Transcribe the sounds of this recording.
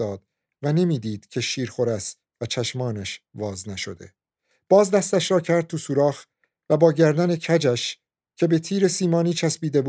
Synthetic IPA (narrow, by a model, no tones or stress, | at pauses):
ɒːd̪̥ | væne̞miːd̪iːd̪̥cʰe̞ʃiːɾxo̞ɾæs | væt͡ʃʰæʃmɒːnæʃvɒːznæʃo̞d̪e̞̰ | b̥ɒːzd̪æst̪æʃɾɒːcʰæɾd̪̚t̪ʰusuɾɒːx | væbɒːɟæɾd̪ænecʰæd͡ʒæʃ | cʰe̞be̞t̪ʰiːɾe̞siːmɒːniːt͡ʃʰæsbiːd̪e̞bu